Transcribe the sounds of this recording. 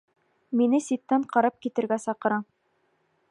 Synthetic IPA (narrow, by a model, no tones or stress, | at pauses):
minɘsit̪ːæɴqɑɾɑp̚kit̪ɘ̆ɾɡæsɑqɤ̆ɾɑ